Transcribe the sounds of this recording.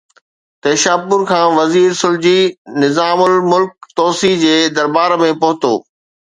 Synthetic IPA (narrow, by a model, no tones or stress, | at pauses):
t̪eːʃaːpʊn̆kʰãːʋɐziːɾsʊld͡ʑinɪzaːmʊlmʊlk̚t̪ɔːsid͡ʑeːd̪ɐɾbaːɾmẽpɐɦʊt̪oː